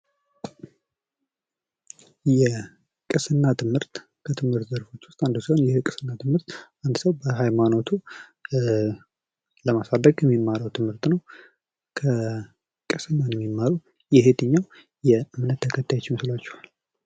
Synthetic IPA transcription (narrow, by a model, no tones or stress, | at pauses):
jɛ | kʼɨsɨnːat̪ʰɨmhɨɾt̪ | kʰət̪ʰɨmhɨɾt̪zəɾfo̞t͡ʃːwʊst̪ʼand̪əsihonjɛkʼɨsɨnːat̪ʰɨmhɨɾt̪ʔand̪səwbəɦajmano̞t̪ʰu | ləmasad̪ːəɡʼjɛmːimːaɾəwt̪ʰɨmhɨɾt̪nəw | kʰə | kʼɨsɨnːanjɛmːimːaɾuw | jɛɦet̪ɨɲːaw | jɛɨmnət̪ʰːəkʰət̪ʰːajet͡ʃːɪnsɨlat͡ʃːɛ̥hal